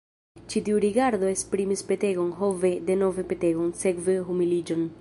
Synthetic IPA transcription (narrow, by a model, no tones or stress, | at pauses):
t͡ʃit̪iuɾiɡaɾd̪oespɾimispet̪eɡonɦoved̪enovepet̪eɡonsekveɦumilid͡ʒon